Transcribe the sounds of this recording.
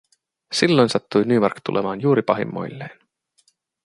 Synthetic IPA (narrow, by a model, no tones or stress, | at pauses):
silːo̞jnsɑt̪ːujnyːmɑrkt̪ṵlʔḛmɑːnjuːɾipɑɦḭmːo̞̰jlːe̞ːn